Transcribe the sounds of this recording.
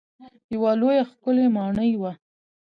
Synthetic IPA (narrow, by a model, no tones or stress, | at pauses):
jawalojaxkʊlemɑɳəjwa